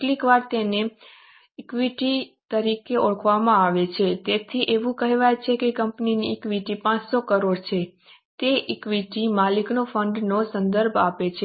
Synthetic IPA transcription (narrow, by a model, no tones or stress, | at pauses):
ʈlikʋaɾt̪ene | ɪkʋiʈit̪əɾikeʔɔɭəkʰʋamãaʋet͡ʃʰet̪et̪ʰiʔeʋũkəɦeʋajt͡ʃʰekekəmpniniːkʋiʈipãt͡ʃsokəɾoɽt͡ʃʰe | t̪eʔɪkʋiʈimaliknofəɳɖnosə̃nd̪əɾbʱapet͡ʃʰe